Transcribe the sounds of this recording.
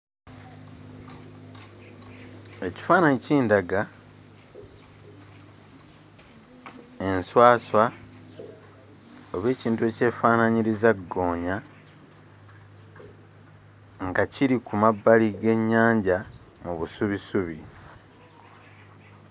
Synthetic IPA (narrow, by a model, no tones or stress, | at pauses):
e̞ci̥faːnaɲiciːndaɡa | e̞nswaːswa | oβe̞ːciːntue̞ce̞ːfaːnaɲiɾizaɡːo̞ːɲa | ŋɡaciɾikumabːaliɡe̞ɲːaːɲɟa | muβusuβisuβi